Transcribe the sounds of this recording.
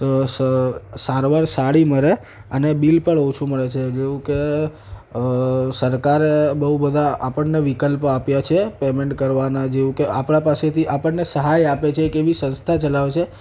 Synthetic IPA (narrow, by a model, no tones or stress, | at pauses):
osəsaɾʋaɾsaɽiməɾe | ənebilpəɳot͡ʃʰuməɭet͡ʃʰed͡ʒeʋũke | səɾkaɾebəɦubəd̪ʱaapəɳneʋikəlpapjat͡ʃʰepemeɳʈkəɾʋanad͡ʒeʋũkeapɳãpaset̪ʰiʔapəɳːesəɦajapet͡ʃʰekeʋisə̃nst̪ʰat͡ʃəlaʋet͡ʃʰe